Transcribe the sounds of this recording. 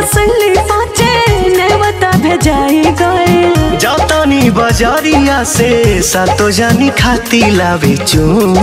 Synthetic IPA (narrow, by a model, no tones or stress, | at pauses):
səlipɔ̃t͡ʃeneʋət̪abʱed͡ʒaiɡɔed͡ʒɔt̪ɔnibɔd͡ʒaɾiasesat̪od͡ʒanikʰat̪ilaʋet͡ʃũ